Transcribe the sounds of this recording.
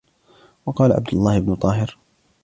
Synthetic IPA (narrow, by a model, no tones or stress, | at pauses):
wɑqɑːlaʕa̰b̚d̪ʊlˤːɑːhɪbnʊt̪ˤɑːhɪɾ